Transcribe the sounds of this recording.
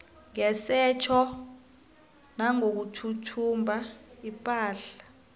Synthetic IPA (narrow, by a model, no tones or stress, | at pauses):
ŋɛsɛt͡ʃʰɔ | naŋok̬utʰutʰumbʱaipʼaːɬḁ